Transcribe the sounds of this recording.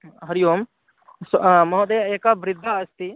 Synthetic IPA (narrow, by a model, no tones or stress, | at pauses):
ɦɐɾijoːm | smɐɦd̪ɐjeːkaʋɾɪd̪ʱːaɐst̪i